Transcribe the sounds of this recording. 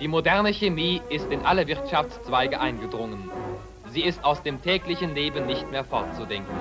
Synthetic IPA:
d̥iːmodɛɐnəçemiːʔɪstɪnʔaləvɪʁtʃaft͡st͡sv̥aɪɡəʔaɪnɡədʁʊŋən | ziːɪstaʊsd̥eːmtʰɛːklɪçn̩leːbənːɪçtmeːɐfɔɐtt͡sudɛŋkn̩

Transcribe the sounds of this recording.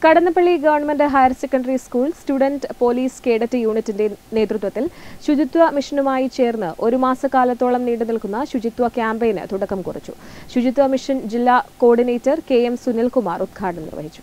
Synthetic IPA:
kɐɽɐnːɐpːɐɭːiɡɐʋɐrɳɐmendɨɦɐjɐrsekːɐɳɖɐɾiskuːɭstuɽɐndpo̞ːliːske̞ːɽɐtːɨjuːɳitːinde̞ne̞ːt̪rut̪ʋɐt̪ːilɕud͡ʑit̪ʋɐmiʂɐnumaːjit͡ɕe̞ːrnːɨʔo̞ɾumaːsɐkaːlɐt̪ːo̞ːɭɐmniːɽɨnilkunːɐɕud͡ʑit̪ʋɐkjaːmbejnɨ̰t̪uɽɐkːɐmkurḭt͡ɕːu̥̰ɕud͡ʑit̪ʋɐmiʂɐnd͡ʑilːaːko̞ːɖine̞ːtːɐrke̞ːemsunilkumaːrud̪̚ɡʰʱaːɐɳɐmnḭrʋɐ̰ɦit͡ɕːu̥

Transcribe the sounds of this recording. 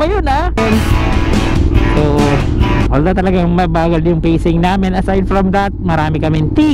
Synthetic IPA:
ɐjona | on | oːʔo | wɐld̪ɐt̪ɐlɐɡaŋmɐbaːɡɐljʊŋpeːsɪŋnaːmɪnɐsajd̪̚fɹɐmðɐt̪̚mɐɾaːmɪkɐmɪnt̪i

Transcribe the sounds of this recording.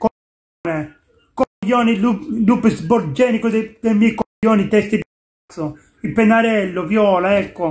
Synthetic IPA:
kɔ | nɛ | kɔjːɔːnilulupesbɔɾd͡ʒɛːnikod̪d̪emɛkɔjɔːnit̪ɛst̪id̪a | t̪sːɔ | ipɛnːaɾɛlːɔvjɔːlaɛkːɔ

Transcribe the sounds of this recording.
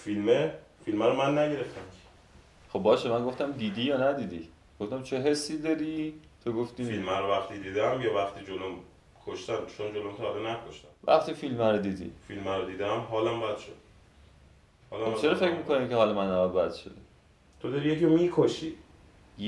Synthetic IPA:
filmefilmæɾomænːæɟe̞ɾeft̪ʰæm | xob̚bɒːʃemæŋɡo̞ft̪æmd̪iːd̪iːjɒːnæd̪iːd̪i | ɡ̥oft̪æmt͡ʃʰe̞ɦe̞sːiːd̪ɒɾit̪ʰoɡoft̪iilmæɾovæxt̪id̪iːd̪ææmjɒːvæχt̪ʰiːd͡ʒolom | kʰoʃt̪ænt͡ʃʰond͡ʒolomt̪ʰɒd̪enækʰoʃt̪æmvæ̰χt̪iːfilmæɾod̪iːd̪ḭfilmæɾod̪iːd̪emɦɒːlæmbæd̪̥ʃod̪̥ | hɒːlæt͡ʃʰeɾɒfe̞cmiːko̞nimceɦɒːlemænːæbɒd̪̚bæd̪̥ʃod̪e | t̪ʰod̪ɒɾijeciɾomikʰoʃi

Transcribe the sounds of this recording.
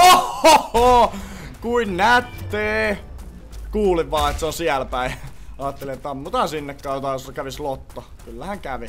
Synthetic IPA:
ooo | kuinnæt̪ːeː | kuːliʋʋɑːet̪seonsiælpæiɑːt̪ːeliet̪ːɑmmut̪ɑsinːekːæːjot̪ɑjoskæʋislot̪ːɑ | kylːæhæŋkæʋi

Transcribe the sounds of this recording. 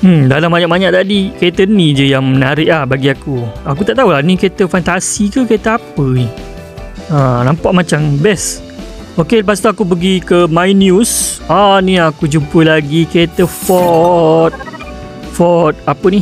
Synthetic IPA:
m̩dalambaɲaʔbaɲaʔ̚t̪adikaət̪ənĩd͡ʒəjaŋmənaɾɪʔlahbaɡiakuakut̪aʔt̪aulanikəet̪əfant̪asikəkəet̪əapəi | ə̃nãmpaʔmãt͡ʃambɛs | okeləp̬ast̪uakup̬əɡikəmajnjusanĩakud͡ʒumpəlaɡikəet̪əfɔt̪̚ | fɔt̪̚apəni

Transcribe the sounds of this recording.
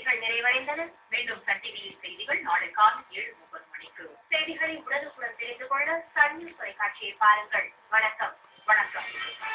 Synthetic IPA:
ɪɣɐɭnɪɾɐɪʋɐɻɐɪnd̪ɐðɐmeːɳɖɯmsɐʈːɪɣɐlɪnsɛjðɪɣɐɭnaːɽɯkːaːnɐeːɻɯmʊpːɐðɯpɐɳɪkːɯsɛjðɪɣɐɭɪnʊɽɐðɯkʊɽɐnt̪ɛɾɪnd̪ɯkɔɭɽɐsɐɳnɯt̪ɔɾɐɪkːaːʈʂɪjɐɪpaːɾɐŋɡɐɭ | ʋɐɳɐkːɐm | ʋɐɳɐkːɐmɪɾɯ

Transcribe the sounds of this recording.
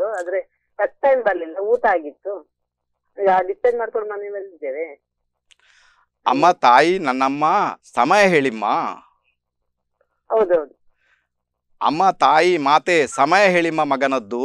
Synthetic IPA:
uad̪ɐɾe | ɐk̚ʈːɐjmbɐɾlilːɐuːʈaːɡit̪ːu | iɡaɖipeɳɖmaːɖ̚koɳɖmɐniʋelsid̪eːʋe | ɐ̰mːɐt̪aːjinɐnːɐmːɐsɐmɐjɐɦe̞ːɭimːɐ̰ | ɦɐwd̪uɦɐwd̪u | ɐ̰mːɐt̪aːjimaːt̪esɐmɐjɐɦeːɭimːɐmɐɡɐnɐd̪ːu

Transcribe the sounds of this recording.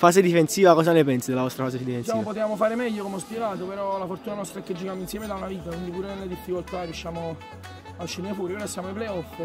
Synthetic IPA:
faːzed̪ifensiːvakɔːzanepɛnsid̪elavɔst̪ɾafaːzed̪ifensʃaːmopot̪̬eaːmofaːɾemɛʎːokomɔspjeɡaːt̪opeɾɔlafort̪uːnanɔst̪ɾaɛkːed͡ʒːikaːminsjɛːmed̪aunaviːt̪akwind̪ipuːɾenelːed̪ifːikolt̪arːjusʃːaːmo | aʃːinefuːɾipeɾɔsjaːmoajplejɔfː

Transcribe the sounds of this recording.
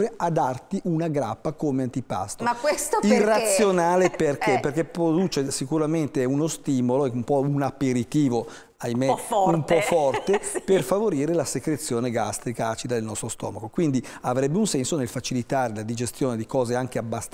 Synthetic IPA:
ɾead̪art̪iʔunaɡɾapːakomeant̪ipa̰st̪oakwest̪oirːat̪sːjjonaːleperkeperk̟epɾod̪uːt͡ʃesikuɾament̪eunost̪iːmoloeumpɔunapːeɾit̪iːvo | ajmeumpɔfɔrt̪eperfavoɾiːɾelasekɾet̪sːjoːneɡa̰st̪ɾikaat͡ʃid̪ad̪elnɔst̪ɾost̪ɔ̰ːmakokwind̪iavɾɛbːeunsɛnsonelfat͡ʃilit̪aːɾelad̪id͡ʒest̪joːned̪ikɔːzeaŋk̟eabːast̪

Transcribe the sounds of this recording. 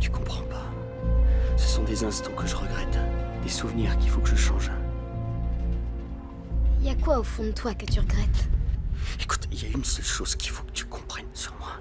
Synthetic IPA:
t̪y̥kɔ̃pχɑ̃pa | səsɔ̃d̪ezɛ̃st̪ɑ̃kəʒəʁəɡʁɛt̪d̪̥esuvniːʁkʲifokəʒəʃɑ̃ʒ | iljakwaofɔ̃d̪ət̪wakət̪yʁəɡʁɛt̪ | eku̥t̪iljaynsœlʃoz̥kʲi̥fokə̥t̪y̥kʰɔ̃pχɛnsyʁmwa

